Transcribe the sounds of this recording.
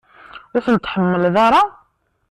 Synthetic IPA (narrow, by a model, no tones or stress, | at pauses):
wʊθənt̪ħəmːəlðɑɾˤɑ